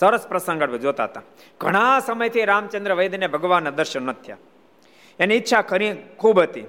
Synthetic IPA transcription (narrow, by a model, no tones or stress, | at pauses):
sɐɾəspɾɐsə̃ŋɡəɽʋid͡ʒoːt̪a̰ɦət̪a | ɡʱəɽ̃asɐməjt̪ʰiɾaːmt͡ʃɐnd̪ɾəʋɐjd̪nebʱɐɡəʋaːnːɐd̪əɾʃɐnːɐt̪ʰja̰ | eniitːʃʰakʰəɾĩkʰuːbɦət̪i